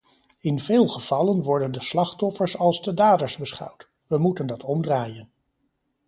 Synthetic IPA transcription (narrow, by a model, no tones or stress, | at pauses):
ɪnvɪːlˠχəv̥ɑlənʋɔɹdəndəslɑχtɔfəɹsɑlˠzdədaːdəɹzbəsχɑ̰wt | ʋəmutəndɑtʰɔmdraːjən